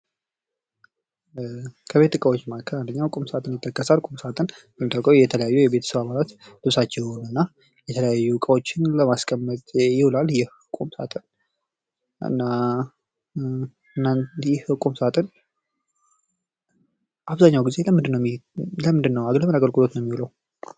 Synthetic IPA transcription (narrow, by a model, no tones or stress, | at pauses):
kʰəβe̞t̪ːɨkʼəwot͡ʃːmakʰəand̪əɲːakʼumsəat̪ʰʼɨnjɪt̪ʰːəkːəsakʼumsəat̪ʰʼɨnbəmːit̪ʼːakʼəwjɛt̪ʰələjajːujɛbe̞t̪ʰə̥səβaβalat̪ | lɨβsat͡ʃːɛjonɨnːa | jɛt̪ʰələjajːukʼəwot͡ʃːɪnləmaskʼəmːət̪ʼjɪholaljɛhɨkʼumsa̰t̪ʰʼɨn | ʔɨ̰nːa | ɨnːanjɛhhɨkʼumsat̪ʼɨn | ʔaβzaɲːawɡize̞ləmɨnd̪ɨnːəwləmɨnd̪ɨnːəwaɡləmənaɡəlkʼɨlo̞t̪nəmːiləw